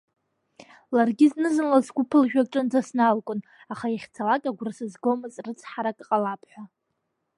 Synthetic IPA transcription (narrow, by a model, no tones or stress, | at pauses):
larɡʲɪznɨzɨnlazɡʷupʰɨlʒᶣaʈ͡ʂʷʼɨnd͡zasnalkʷʼʊn | aχaiχʲt͡sʰalakʼaɡʷrasɨzɡomɨzʼrɨt͡sʰħaɾakʼqʼalapʰħʷᶣa